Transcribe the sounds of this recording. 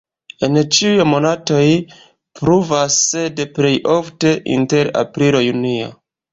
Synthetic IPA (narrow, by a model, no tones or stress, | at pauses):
e̞nt͡ʃiujmo̞nato̞j | pɾuvasːedple̞jʔofte̞ʔḭnte̞ɾa̰pɾilojunio̰